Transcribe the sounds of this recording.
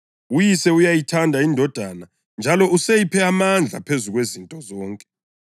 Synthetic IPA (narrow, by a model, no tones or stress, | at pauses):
ujisɛujajitʰandʱaindʱɔd̥ʱana | nd͡ʒʱalɔusejipʰɛamand͡ɮʱa̰pʰezuɣwezintʼɔzɔːŋkʼɛ̥